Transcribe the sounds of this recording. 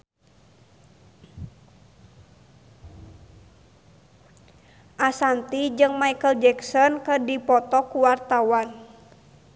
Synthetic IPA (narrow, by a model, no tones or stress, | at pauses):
ʔasant̪id͡ʒɨŋmaikəld͡ʒɛksɔnkədipɔt̪ɔkuwart̪awan